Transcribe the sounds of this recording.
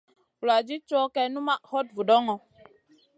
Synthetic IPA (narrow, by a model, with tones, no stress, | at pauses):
la˨d͡ʒi˦t͡ʃɔ˦kɛ˦nu˦ma˦ʔhɔ˦t̚vu˨dɔ˦ŋɔ˨